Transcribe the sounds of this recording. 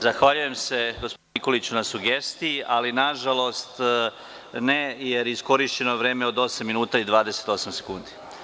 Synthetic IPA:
zaxʋaʎuje̞mse̞ɡospoiko̞lit͡ɕunasuɡe̞st̪ijiʔalinaʒalˠo̞st̪ | nejeɾisko̞ɾiʃt͡ɕe̞no̞ʋɾe̞ːmeo̞d̪o̞samːinuːt̪aid̪ʋaːd̪e̞se̥t̪o̞samse̞̥kuːnd̪i

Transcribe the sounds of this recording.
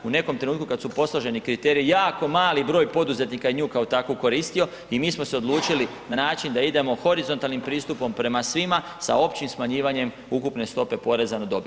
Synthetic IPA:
une̞ko̞mt̪ɾeuːt̪kukad̪supo̞slˠoʒe̞nikɾit̪eɾiijaːko̞maːlibɾo̞ːjpo̞d̪uze̞t̪nikajeɲuːkaot̪akoko̞ɾiːst̪io̞ | imiːsmose̞o̞d̪lˠuːt͡ʃilinanaːt͡ʃind̪aid̪e̞mo̞xo̞ɾizo̞nt̪alˠnimpɾiːst̪upo̞mpɾe̞masʋima | sa̰o̞pt͡ʃimsmaɲiːʋaɲe̞m | ukupne̞st̪o̞pe̞po̞ɾe̞zanod̪o̞bi

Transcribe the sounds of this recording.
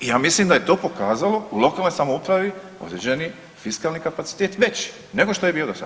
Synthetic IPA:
ijaːmislimd̪ajet̪o̞ːpo̞kaːzaloulo̞kaːlnojsamoupɾaʋi | o̰d̪ɾed͡ʑeni | fiskaːlnikapat̪i̥t̪eːt̪ʋet͡ɕ | ne̞ɡoʃt̪o̞je̞biːo̞d̪asa̰

